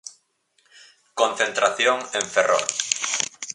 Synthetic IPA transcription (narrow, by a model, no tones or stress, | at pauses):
kõnθent̪ɾaθjoŋẽɱfero̰ɾ